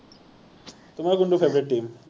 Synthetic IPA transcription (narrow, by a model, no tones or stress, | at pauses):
t̪um̤aɾaɡuɳɖufebɾeʈʈːiːm